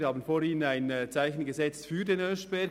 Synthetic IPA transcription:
haːbən̩foːɾhiːnənaɪnt͡saɪçn̩ɡəzɛt͡sfyːdenœʃb̥ɛ

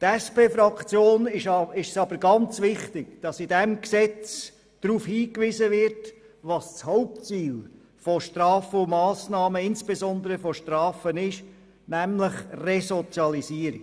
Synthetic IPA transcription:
tɛspeːfɾɑkʰt͡sjoːnɪʃɪʃsɑb̥əɾɡɑnt͡sʋɪχtɪkd̥ɑsɪdɛmksɛt͡s | d̥ɾuːfhiːkʋɪzəʋɪɾt | ʋɑst͡shɔʊp̚t͡siːl | fɔʃtɾɑːfəʊmɑːsnɑːməɪnsb̥ezɔnd̪əɾəfɔʃtɾɑːfənɪʃ | næmləχrɛsɔt͡sjɑliziːəɾi

